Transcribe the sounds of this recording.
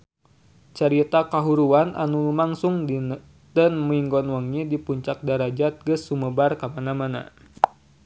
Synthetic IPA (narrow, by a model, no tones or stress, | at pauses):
t͡ʃaɾit̪akaɦuɾuanʔa̰nulumaŋsʊŋ | dənmiŋɡɔnwaŋɲidipuɲt͡ʃak̚daɾad͡ʒat̪̚ɡəsːuməbarkamanamana̰